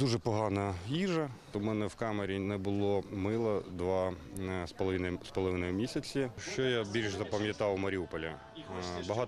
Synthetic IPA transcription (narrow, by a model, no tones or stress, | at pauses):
d̪uʒɛpɔɦɑnɐjiʒɐt̪ɔmɛnɛwkɑmeɾʲinɛbʊlˠɔmɪlˠɐd̪ʋɑspɔlˠʋɪnɐspɔlˠɔʋɪnɔjʊmʲisʲɐt͡sʲiʃt͡ʃɔjabʲilʲʃzɐpɐmʲjɐt̪ɑwmɐɾʲiupɔlʲɐ | bɐɦɑ